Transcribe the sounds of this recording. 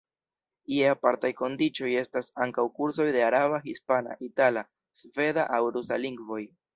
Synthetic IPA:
ieapaɾtajko̞ndit͡ʃo̞je̞stasaŋkawkuɾs̬o̞jde̞aɾaβaɦispana̰ʔitala | sve̞daʔawɾusa̰liŋɡvo̞j

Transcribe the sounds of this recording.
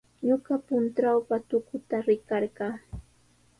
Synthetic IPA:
ɲoɢɑpʊnt̪ɾawpat̪ʊkʊt̪aɾɪkɑɾɢɑː

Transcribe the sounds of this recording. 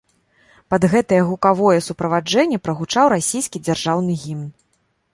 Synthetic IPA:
pɐd̪ɣɛt̪ɐjɛɣukavɔjɛsupɾɐvad͡ʐɛnʲːɛpɾɐɣut͡ʂawɾasʲijskʲid͡zʲarʐawnɨɣʲimn

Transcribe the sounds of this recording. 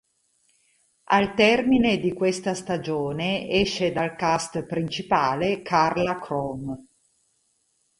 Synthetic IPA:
a̰lt̪ɛrmined̪ikwest̪ast̪ad͡ʒoːneɛʃːed̪alkast̪pɾint͡ʃipaːlekʰarlakʰɾɔm

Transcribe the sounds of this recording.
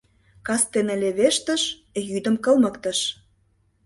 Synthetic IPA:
kɑst̪enə̆lʲeβeʃt̪ə̆ʃjyd̪ə̆mkə̆lˠmə̆kt̪ə̆ʃ

